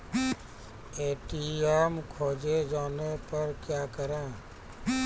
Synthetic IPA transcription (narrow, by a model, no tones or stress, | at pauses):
eːʈiːɛːmkʰoːd͡ʒed͡ʒaːnepəɾkjaːkəɾẽː